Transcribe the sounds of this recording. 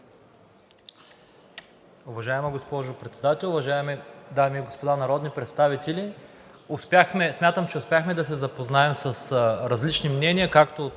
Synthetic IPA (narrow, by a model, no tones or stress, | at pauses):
ʊvɐʒaɛmɐɡospɔʒʊpɾɛt̪sɛd̪at̪ɛlˠʊvɐʒaɛmɛd̪amiːɡospod̪anɐɾɔd̪nipɾɛt̪st̪avit̪ɛlʲi | ʊspʲjaxmɛsmʲat̪əmt͡ʃɛʊspʲjaxmɛd̪ɐsɛzɐpoznaɛmsɐsɾɐzlit͡ʃnimnɛniəkakt̪o